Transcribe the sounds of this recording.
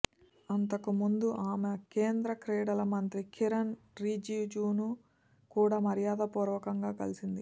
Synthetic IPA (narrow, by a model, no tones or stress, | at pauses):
ɐnt̪ɐkumund̪uʔaːmekeːnd̪ɾɐkɾeːɽɐlɐmɐnt̪ɾikʰiɾɐn | ɾiːd͡ʒid͡ʒuːnu | kuːɽaːmɐɾijaːd̪ɐpɔːɾʋɐkɐŋɡaːkɐlisind̪i